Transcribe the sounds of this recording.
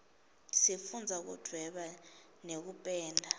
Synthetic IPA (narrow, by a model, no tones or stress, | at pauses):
sifund͡zʱak̬ṵd̥ʱwɛɓa | nek̬upʼɛːndʱa